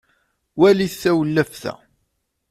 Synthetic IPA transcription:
wæliθːæwəlːæfθæ̰

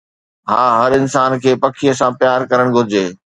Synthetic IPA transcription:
ɦaːɦɐɾɪnsaːnkʰeːpɐkʰijəsãpjaːɾkɐɾəɽ̃ɡʱʊɾɪd͡ʑeː

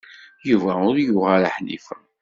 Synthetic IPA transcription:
juvæʊɾjʊʁaɾaħnḭfə

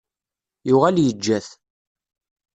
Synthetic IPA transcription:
jʊʁæljəd͡ʒːæθ

